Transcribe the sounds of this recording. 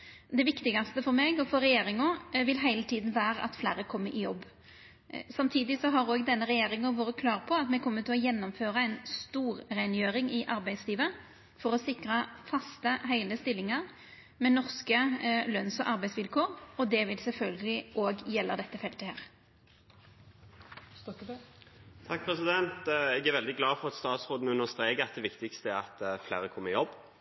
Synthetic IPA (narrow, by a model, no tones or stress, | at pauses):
d̪ɛʋɪkt̪ɪɡɑst̪əfɔɾmeːɡɔfɔɾːɛjeːɾɪŋʊʋɪlɦæɪlət̪ʰiːd̪n̩ʋæːɾəʔɑ̰t̪flæːɾəkʰɔmːəɾʔɪjɔbː | sɑmt̪ʰiːd̪ɪsɔɦɑɾoːɡd̪ɛnːəɾɛjeːɾɪŋəʋoːɾəkʰlɑːʁpʰɔɑt̪mɛkʰɔmːət̪ʰɪlɔjɛnːɔmføːʁɑæɪnst̪uːɾɾæɪnjøːɾɪŋɪʔɑɾbæɪd̪sliːʋə | fɔɾɔsɪkɾɑfɑst̪əɦæɪləst̪ɪlːɪŋɑʁ | mɛnɔʁskəlœnsɔ̰ʔɑʁbæɪsʋɪlkʰoːʁɔd̪ɛʋɪlsɛlfœlɡəlɪʔoːɡjɛlːəd̪ɛt̪ːəfɛlt̪əhæːʁ | t̪ʰɑk̚pʰɾɛsɪd̪ɛnt̪ɛɡæɾʋɛld̪ɪɡlɑːfɔʁɑt̪st̪ɑːt̪sʁoːd̪n̩ʉnəst̪ɾeːkəɑt̪̚d̪ɛʋɪkt̪ɪkst̪əæɾɑt̪fleːɾəkʰɔmːəɪjɔb